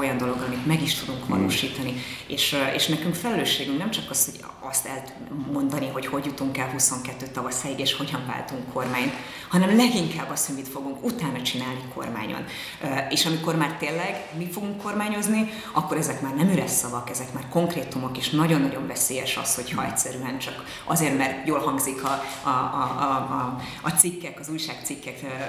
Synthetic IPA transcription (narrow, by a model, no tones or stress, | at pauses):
ojɒnd̪o̞lo̞ɡɒmit̪mɛɡiʃt̪ud̪uŋkvɒ̰lo̰ːʃiːt̪ɒnieːʃḛːʃnɛkyŋkfɛlɛløːʃːeːɡyŋknɛmt͡ʃɒkɒsho̞ɟ | ɒst̪ɛ̰lt̪ | mo̞nd̪ɒniɦo̞cho̞ɟjut̪uŋkɛlɦuso̞ŋkɛt̪ːøːt̪ɒvɒsɛiɡeːʃho̞ɟɒɱva̰ːlt̪uŋkʰːo̞rmaːɲt̪ | hɒnɛmlɛɡiŋkaːbːɒshomit̪fo̞ɡuŋkut̪aːnɒt͡ʃinaːlnikʰo̞̰rma̰ːɲo̰n | eːʃɒmiko̞rmaːrt̪eːlːɛɡmifo̞ɡuŋkːo̞rmaːɲo̞zni | ɒkːo̞ɾɛzɛkmaːrnɛmyɾɛsɒvɒkɛzɛkmaːrko̞ŋkreːt̪umokeːʃnɒɟo̞nːɒɟo̞ɱvɛseːjɛʃɒ̰sho̞chɒɛ̰tʲsɛɾyɛnt͡ʃɒk | ʔɒ̰zeːrmɛrt̪joːlhɒŋɡzikʰɒɒ | t̪sikːɛkɒzuːjʃaːkt̪sikːɛk